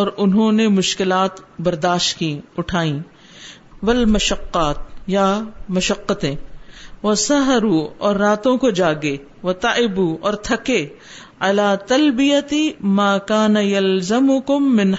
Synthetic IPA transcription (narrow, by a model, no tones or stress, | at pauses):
ɔːɾʊnɦõnemʊʃkɪlaːt̪bɐɾd̪aːʃt̪kiʊʈʰaːĩ | ʋɐlmɐʃɐqːaːt̪jamɐʃɐqːət̪ẽʋɐsɐɦɐɾuːɔːɾːaːt̪õkod͡ʒaːɡe | ʋɐt̪aʕɪbuːɔːɾt̪ʰɐke | ɐlaːt̪ɐlbɪjɐt̪imaːkaːnɐjɐlzɐmʊkʊmːɪ̃n